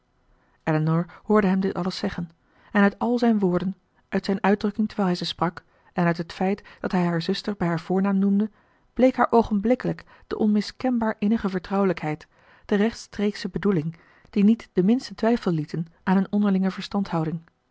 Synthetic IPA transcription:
ʔɛlənɔɹhʊːɹdəɦɛmdɪtɑləsɛχən | ɛnœɥtɑlˠzɛjnʋʊːɹdən | ʔœɥtsɛjnœɥdrɵkɪŋtəɹʋɛːlˠɦɛjzəsprɑk | ɛnœɥtɦətfɛjtd̥ɑtɦɛjɦaːɹzɵstəɹbɛjɦaːɹv̥ʊːɹnaːmnumdə | b̥lejkɦaːɹʔowχənblɪkələk | d̥ə̰ʔɔnmɪskɛnbaːɹʔɪnəχəvəɹtrɑwələkɦɛjt | d̥ərɛχtstreksəbədulɪŋ | d̥initd̥əmɪnstətʋɛjfəlˠlitənʔaːnənɔndəɹlɪŋəvəɹstɑntɦɑwdɪŋ

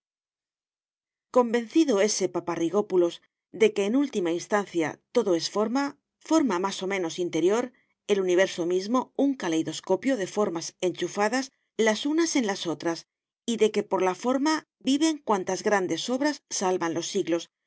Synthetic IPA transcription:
ko̞mbẽ̞nθiðoe̞se̞papariɣ̞o̞pulo̞z | ðe̞ke̞ːnult̪imainst̪anθja̰t̪o̞ðo̞e̞sfo̞ɾma | fo̞ɾmamaso̞mẽ̞no̞sint̪e̞ɾjo̞ɾ | e̞luniβ̞e̞ɾso̞mizmo̞uŋkalejðo̞sko̞pjo̞ðe̞fo̞ɾmase̞nt͡ʃufaðas | lasunase̞nlaso̞t̪ɾas | iðe̞ke̞po̞ɾlafo̞ɾma | biβe̞ŋkwant̪azɣɾand̪e̞so̞βɾasːalβanlo̞sːiɣlo̞s

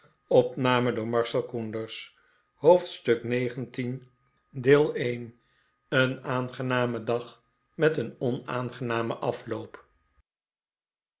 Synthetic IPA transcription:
ɔpnaːmədʊːɹmɑɹsɛlˠkundəɹs | howftstɵknejχəntin | dɪːlˠejn | ənaːnχənaːmədɑχ | mɛtənɔna̰ːnχənaːməʔɑflowp

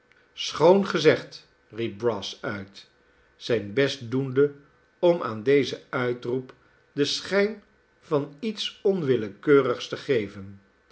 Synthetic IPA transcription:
sχownχəzɛχt | rip̚brɑsœɥt | sɛjnbɛstdundə | ɔmʔa̰ːndejzəœɥtrup | dəsχɛjn | v̥ɑnitsɔnʋɪləkøːrəχstəχejvən

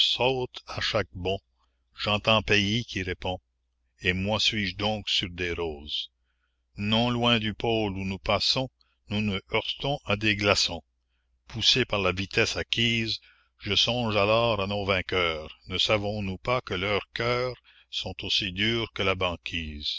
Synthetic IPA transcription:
sot̪aʃak̚bɔ̃ | ʒɑ̃ːt̪ɑ̃peikʲiʁepɔ̃ | emwasɥiʒd̪ɔ̃ːksyʁd̪eʁoːz̥ | nɔ̃lwɛ̃d̪ypoːlunupaːsɔ̃ | nunəœʁt̪ɔ̃ʔad̪eɡlasɔ̃ | pʰusepaʁlavit̪ʰɛsakʲʰiːz | ʒəsɔ̃ːʒalɔːʁanovɛ̃kœːʁnəsavɔ̃nupakəlœːʁkʰœːʁ | sɔ̃t̪osid̪yːʁkəlabɑ̃ːkʲʰiːz

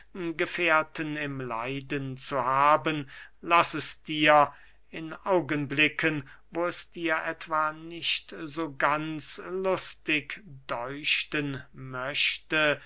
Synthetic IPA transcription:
ɡəfeːɐtənɪmla̰ɪdənt͡suhaːbənlasɛsd̥iːɐ | ɪnʔaʊɡənblɪkʰən | voːɛsd̥iːɐʔɛtv̥anɪʃtzoːɡant͡slʊstɪkd̥ɔʏʃtənmœɕtə

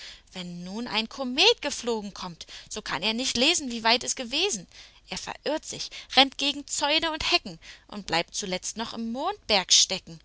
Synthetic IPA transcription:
v̥ɛnːuːna̰ɪnkʰomeːt̚ɡ̥əfloːɡŋ̩kʰɔmtz̥oːkʰaneːɐnɪçtleːzn̩viːvaɪtɛsɡ̥əveːzn̩ʔeːɐfɛ̰ɐʔɪɐtz̥ɪçʁɛntɡ̥eːɡŋ̩t͡sɔʏnəʊnthɛkŋ̩ʔʊ̰ntb̥lʔaɪp̚tt͡sulɛt͡stnɔχɪmːoːnt̚b̥ɛɐkʃtɛkŋ̩

